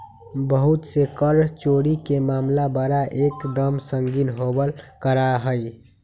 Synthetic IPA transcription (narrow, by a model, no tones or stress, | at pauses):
bəɦut̪sekəɾt͡ʃoɽikemaːmlabəɾaʔekd̪əmsəŋɡinɦobəlkəɾaɦəj